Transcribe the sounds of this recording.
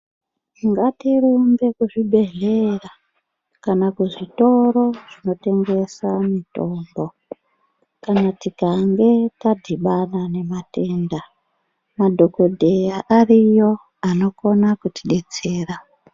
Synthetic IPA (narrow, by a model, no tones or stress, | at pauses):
iŋɡatirumbe̞kuʐibʱe̞ɮe̞ra | kanakuʐito̞ɾo̞ʐ̥ino̞te̞ŋɡe̞samito̞ːmbo̞ | kanatikaŋɡe̞tadʱiɓanane̞mate̞ːnda | madʱo̞ko̞dʱejaʔarijo̞ | ano̞ko̞nakutiɗe̞t͡se̞ːra